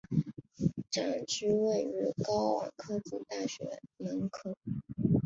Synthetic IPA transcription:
ʈ͡ʂa˨˩ŋʈ͡ʂy˥we˥˩ɪy˧˥kɑ˥ʊwɑ̰˨˩kʰɤ˥t͡su˨˩t̪a˥˩ɕɥɛ̰˧˥nə˧˥nkʰɤ˥˩

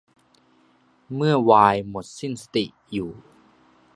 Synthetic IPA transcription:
mɯ˥˩ɐəwaː˧jmo˨˩t̪̚si˥˩nsḁ˧t̪i˨˩ʔ | juː˨˩

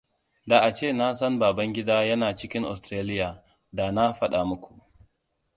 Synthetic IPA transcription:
da˨ʔa˨t͡ʃeː˦˨na˦sɐ˦mbaː˨bɐ˦ŋɡʲɪ˦daː˦jɐ˦naː˨t͡ʃɪ˦kʲɪ˦ŋʔɔ̰˨stɾeː˦lɪ˦jaː˨ | da˨na˦ɸɐ˦ɗa˨mʊ˦kʷu˨ʔ

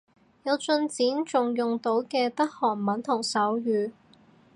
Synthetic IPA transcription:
jɐ˨˧wt͡sɵ˧nt͡siː˨˥nt͡sʊ˨ŋjʊ˨ŋt̪o˨˥wkɛː˧tɐ˥k̚hɔː˨˩nmɐ˨˥nt̪ʰʊ˨˩ŋsɐ˨˥wjyː˨˧

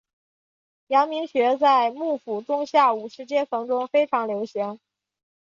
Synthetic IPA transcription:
jɑ˧˥ŋmi˧˥ŋɕɥɛ˧˥t͡sa˥˧ɪmu˥˩fu˨˩ʈ͡ʂʊ˥ŋɕja˥˩u˨˩ʂɻ̩˧˥t͡ɕjɛ˥nt͡sʰɤ˧˥ŋʈ͡ʂʊ˥ŋfe˥ɪʈ͡ʂʰɑ˧˥ŋljo˧˥ʊɕi˧˥ŋ

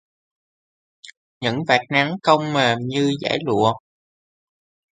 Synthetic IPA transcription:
ɲɨ̰˧˥ŋvaː˨˩t̚na˨˦ŋkə˧wŋ͡mmeː˨˩mɲɨ˧za̰ː˧˥˦jlṵ˧˨ə

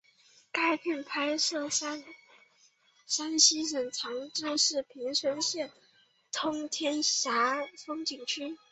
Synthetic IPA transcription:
ka˥˧ɪpʰi˥˩npʰa˥ɪsɤ˥˩a˥n | sa˥nɕi˥ʂ̬ə˨˩ŋt͡sʰɑ˧˥ŋʈ͡ʂ̩˥ʂɻ̩˥˩pʰi˧˥ŋʂwə˧˥nɕjɛ˥˩n | t̪ʰʊ˥ŋt̪ʰjɛ˥nɕja˧˥fɤ˥ŋt͡ɕi˨˩ŋt͡ɕʰy˥

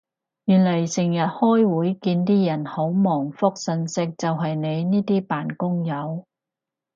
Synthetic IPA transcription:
jyː˨˩nlɐ˨˩jsɪ˨˩ŋjɐ˨t̚hɔː˥jwuː˨˥jkiː˧nt̪iː˥jɐ˨˩nho˨˥wmɔː˨˩ŋfʊ˥k̚sɵ˧nsɪ˥k̚t͡sɐ˨wɦɐ˨jne˨˧jniː˥t̪iː˥paː˨nkʊ˥ŋjɐ˨˧w

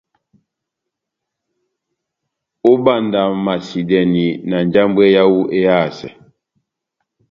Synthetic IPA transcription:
o˦ba˦˨nda˨ma˨si˨dɛ˨ni˨na˨n˨d͡ʒa˦mbwɛ˦ja˦wu˦ʔe˦a˦˨sɛ̰˨

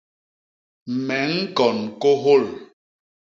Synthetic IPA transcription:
mɛ˨˦ŋ̩˦kɔ˨nko˦ɦo˦˨l

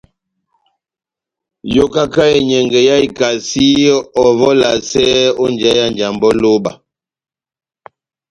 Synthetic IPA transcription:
jo˦ka˦ka˦ɛ˨ɲɛ˨ŋɡɛ˨ja˦i˨ka˨si˦ɔ˨vɔ˦la˨sɛ˦o˦nd͡ʒɛ˦ja˦nd͡ʒa˨mbɔ˦lo˦ba̰˨

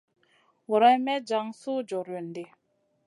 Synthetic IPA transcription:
wɔ˨ɾa˦mɛ˦d͡ʒa˨˦ŋsu˦d͡ʒo˨ɾo˨n˨de˨

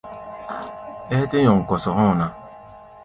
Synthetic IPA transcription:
e˦e˦te˦ɲɔ˨ŋ̩˨kɔ˨sɔ˨ɦɔ˦˨na˦

